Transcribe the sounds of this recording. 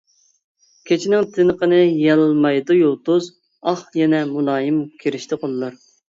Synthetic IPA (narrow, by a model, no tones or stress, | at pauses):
kʲʰet͡ʃʰinɪŋt̪ʰɪnəqənɨjɛlˠmɑjd̪ujolˠt̪ʊz | ɑχjɛnɛmulˠɑːjimkʲʰeɾɪʃt̪ʰɪqʰolˠɨlˠɑɾ